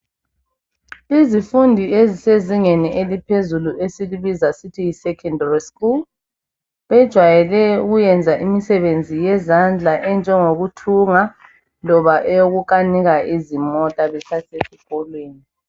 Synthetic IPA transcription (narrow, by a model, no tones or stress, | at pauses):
izifundʱieziseziŋeniʔelipʰezuluʔesiliβizasitʰijisɛkʰɛndariskul | βɛd̥ʒ̥ʱwajɛlɛuɣujɛnd͡zʱaʔimisɛβend͡zʱijɛzand͡ɮʱaʔɛnd͡ʒʱɛŋoɣutʰuŋa | lɔβaʔɛjoɣukʼaniɣaʔizimɔtʼaβɛtʰasesikʼɔlweːni